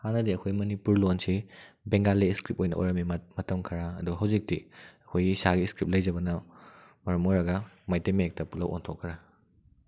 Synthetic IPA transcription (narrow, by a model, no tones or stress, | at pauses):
hanɐdiɐkʰojmɐnipuɾlonsibeŋɡaleskɾip̚ojnɐ̰ʔo̰jɾɐmimɐtɐmkʰɐɾaːduɦɐwzik̚tiɐkʰojɡisaɡiskɾip̚lɐjzɐbɐnɐ | mɐɾɐmojɾɐɡɐmajtemek̚tɐpulɐwʔo̰ntʰokʰːɾa